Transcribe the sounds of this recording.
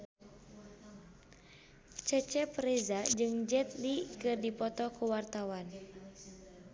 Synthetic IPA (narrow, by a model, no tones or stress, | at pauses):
t͡ʃət͡ʃɛpɾezad͡ʒɨŋd͡ʒɛt̪̚likɨrdipɔt̪ɔkuwart̪awan